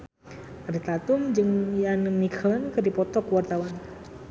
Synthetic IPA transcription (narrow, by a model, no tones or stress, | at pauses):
aɾit̪at̪ʊmd͡ʒɨŋjanəŋnikʰəlankədipɔt̪ɔkəwart̪awan